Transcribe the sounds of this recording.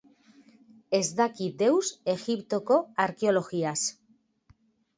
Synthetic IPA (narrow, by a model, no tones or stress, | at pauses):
ezðakid̪e̞wsexipt̪okoaɾkeoloxias